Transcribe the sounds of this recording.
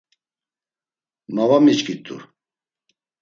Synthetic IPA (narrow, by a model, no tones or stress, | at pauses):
navamit͡ʃkit̪ʼṵ